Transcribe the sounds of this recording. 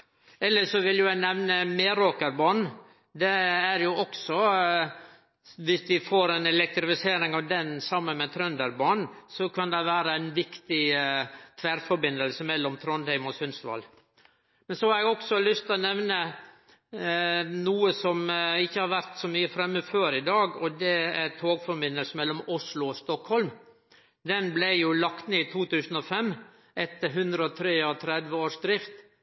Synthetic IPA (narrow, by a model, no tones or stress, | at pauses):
ɛlːəʂɔʋɪljʊjæɪnɛʋnəmeːɾoːkəɾbɑːɳ | d̪ɛæɾjʊɔksɔ | ʋɪsʋɪfoːɾɛnɛlɛk̚t̪ɾɪfɪseːɾɪŋɑʋd̪ɛnsɑmːənmɛt̪ʰɾœnd̪əɾbɑːɳsɔkʰɑnd̪ɛʋæːɾəæɪnʋɪkt̪ɪ | t̪ʰʋæɾfɔɾbɪnd̪əlsəmɛlːɔmt̪ʰɾɔnd̪æɪmɔsʏnst̪ʋɑ̰l | mɛnsɔhɑɾɛɡɔksɔlʏst̪ɪlnɛʋnə | nuːəsɔmɪçːəhɑɾʋæɾt̪sɔmyːəfɾɛmːəføːɾɪd̪ɑːɡɔd̪ɛæɾt̪ʰoːɡfɔɾbɪnːəlsəmɛlːɔmʊslʊɔst̪ɔkhɔlm | d̪ɛnblæjʊlɑkt̪neit̪ʰuːt̪ʉːsn̩ɔfɛmː | ʔɛt̪ːəɾɦʉnd̪ɾəɔt̪ʰɾeːɔt̪ʰɾɛd̪ʋəoːʂd̪ɾɪft̪